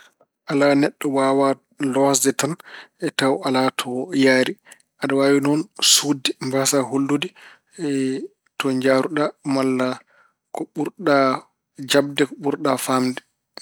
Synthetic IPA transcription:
ʔalanɛɗːɔwaːwa | lɔsdɛtanɛtawalatʰɔjaːɾi | ʔaɗɔwawinɔnsudɛmbasaholːudi | ɛ | tɔɲd͡ʒaːɾuɗamalːa | kɔɓuɾɗa | d͡ʒab̚dɛkɔɓuɾɗafamdɛ

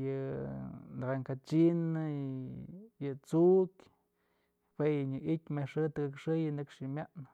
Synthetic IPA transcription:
jɨ | nd̪aɡaŋkat͡ʃinɨ | jɨt͡suʔkʲ | pʷwejɨɲɨʔit̪ʲmeʂɨt̪ɨkɨkʂɨjɨnɨkʂimjaʔnɨ

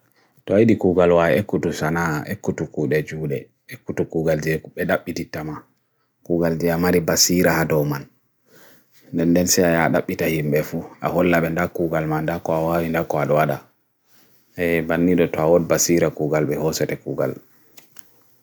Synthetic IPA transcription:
tɔaiɗikuɡalwawiekːutusanaʔekːutukuːɗɛd͡ʒuːɗɛ | ekːutukuːɡald͡ʒɛɓɛɗaɓːititːama | kuːɡald͡ʒɛamaɾibasiɾahadɔman | ndɛndɛnsɛajaaɗaɓːitahimbɛfuʔa̰hɔlːaɓɛndakːuːɡalmandakːɔawawindakːɔaɗɔwaɗa | ɛbanːiɗɔtɔawɔdbasiɾakuːɡalɓɛhɔsɛtɛkuːɡa̰l

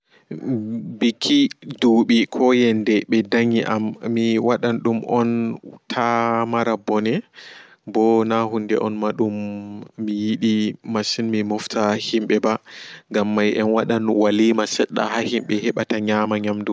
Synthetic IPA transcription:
bikʰːiduɓikʰɔjɛndɛɓɛdaɲiʔamːiwaɗanɗumʔɔntʰamaɾabɔnɛ | bɔnaɦundɛʔɔnmaɗumː | ijiɗimasinmimɔftʰahimɓɛbaŋɡamːajɛnwaɗanwalimasɛɗːa̰hahimɓɛhɛɓataɲamaɲamdu

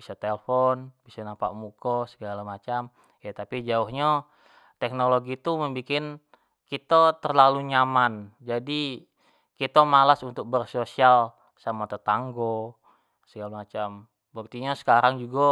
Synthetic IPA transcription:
bisat̪elfɔnbisanampa̰ʔmukɔsəɡalamat͡ʃam | jat̪apid͡ʒauhɲa | t̪ɛk̚noloɡit̪uməmbikɪn | kit̪at̪ərlaluɲamand͡ʒadi | kit̪amalasunt̪ʊk̚bərsosial | samat̪ət̪aŋɡo | səɡalamat͡ʃam | bək̚t̪iɲasə̥kaɾaŋd͡ʒuɡa

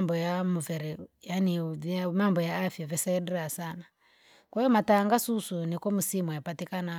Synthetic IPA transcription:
mbɔjamuvɛɾɛjaniamambɔjaːfjavɛsɛɛɗiɾasana | kwajɔmataːŋɡasusunikɔmusimwajapatikana

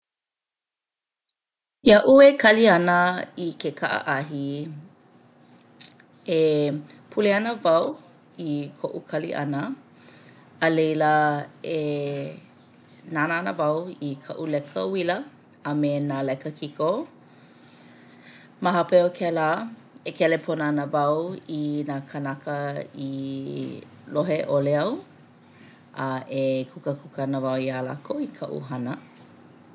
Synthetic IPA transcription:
iaʔuekʰɐliɐnəikekʰaʔə̰ʔɐɦi | e | pʰuleɐnəvɐw | ikʰoʔukʰɐlḭʔɐ̰nə | lejləe | nanəanə̰vɐwikʰɐ̰ʔulɛkʰə̰wiləː | menalɛkəkʰiko | maɦapeokʰɛla | ekʰɛlepʰonanəvɐwinaːkʰanakəi | loɦeʔoleɐw | ɐʔekʰukəkʰukɐnəvɐwiala̰koikʰɐʔṵɦɐnə

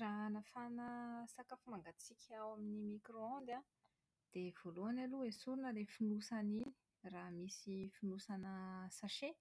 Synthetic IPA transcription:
ranafanəsakafumaŋɡat͡sikʰʲawaminimikɾoãnd̪a | d̪̥ev̥oluanaluesuɾunəlefinusanini̥ | raːmisifinusanəsaʃe

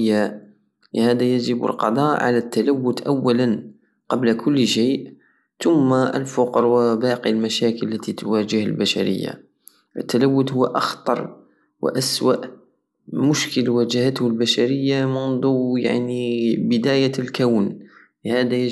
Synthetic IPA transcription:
jːa | ləhæːd̪æjæʒəbə̰lqɑ̰d̪ˤɑʔʕa̰læt̪ːalawːʊt̪ʔawːalan | qɑblkʰʊlːʃeːʔ | t̪ʊmːaʔə̰lfʊqɾwəbɑːqilmæʃækəllːæt̪it̪wæd͡ʒəhəlbaʃa̰ɾə̰jːa̰ | ʔət̪ːalawːʊt̪hʊwːʔɑxt̪ˤɑɾˤ | wə̰ʔæswa̰ʔ | mʊʃkəlwæd͡ʒəhət̪hʊlbaʃaɾəjːamʊnd̪ˤuja̰ʕnibəd̪æjalkawn | ləhæːd̪æj

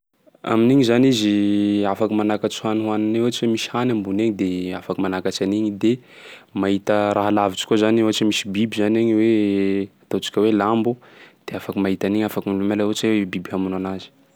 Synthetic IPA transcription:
a̰miniɲizaniziafakimanakat͡su̥haniɦuanineat͡ʃiwemisi̥hanambuneɲid̪eafakumanakat͡ʃaniɲid̪e | maɦit̪əɾaɦalavit͡ʃi̥kʲozanieɦat͡ʃimisibibizaneɲweat̪ot͡ʃi̥kʲəwelambud̪̥eafakəmaɦit̪aniɲafakumilumelaoat͡ʃewebibiɦamunanazi̥

